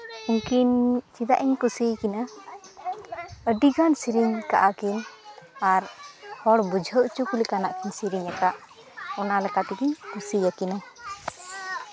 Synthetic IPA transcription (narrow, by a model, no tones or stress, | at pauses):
uŋkint͡ʃid̪a̰ʔiɲkusijkina | əɖiɡansiɾiɲka̰ʔakinaɾhɔɽbud͡ʒʱəwʔt͡ʃukulikanaʔkiɲsiɾiɲakaʔ | ɔnalɛkat̪iɡiɲkusijakina